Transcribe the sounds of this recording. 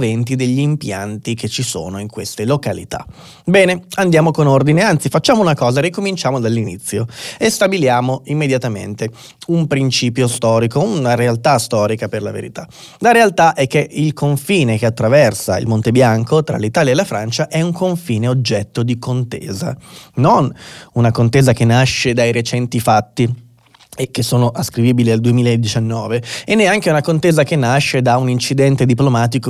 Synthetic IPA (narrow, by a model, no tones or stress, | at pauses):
vɛnt̪id̪eʎːiːmpjant̪iket͡ʃːiso̰ːnoiŋkwest̪elokalḭt̪a̰ | bɛːneand̪jaːmokonord̪ineant̪sifat͡ʃːaːmounakɔːzarikomint͡ʃaːmod̪alːinḭt̪sːjoest̪abiljaːmoimːed̪jat̪amḛnt̪e | umpɾint͡ʃiːpjost̪ɔːɾikounaɾealt̪ast̪ɔːɾikaperlavḛɾḭt̪a | laɾealt̪aʔɛkːeʔilkʰoɱfiːnekeat̪ːɾavɛrsaḭlmont̪ebjaŋkʰot̪ɾa̰lit̪aːljaelafɾant͡ʃaʔɛuŋkʰoɱfiːneod͡ʒːɛt̪ːod̪ikont̪ḛːza̰nonunakont̪eːzakenːaʃːed̪ajɾet͡ʃɛnt̪ifat̪ːi | ekːesːoːnoʔaskɾiviːbiliald̪uemiːlaed̪ːit͡ʃanːɔːveenːɛaŋkeunakont̪eːzak̟enːaʃːed̪aunint͡ʃid̪ɛnt̪ed̪iplomaːt̪̬iko